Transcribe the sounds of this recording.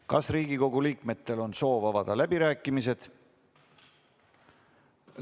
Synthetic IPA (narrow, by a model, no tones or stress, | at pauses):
kɑsriːɡiko̞ɡ̥uliːkme̞t̪ːe̞lo̞nso̞ːvɑvɑd̪̥ɑlæbiɾæːkːˑimis̬e̞d̪̥